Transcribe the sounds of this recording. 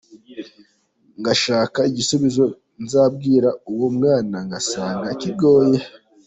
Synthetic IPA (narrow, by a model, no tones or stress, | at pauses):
ŋɡaʃaːkaiɟisuβizo̞ | nzaːb̚ɡiːɾauwomŋaːnaŋɡasaːŋɡakiɡo̞ːje